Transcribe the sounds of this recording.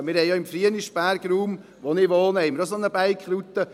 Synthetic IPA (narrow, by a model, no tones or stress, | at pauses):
mɪɾhɛɪjɑɪmfɾiəniʃpæɾɡ̥ɾuːm | ʋonɪʋoːnəhɛɪməɾosonəbæɪkχɾut̪ːə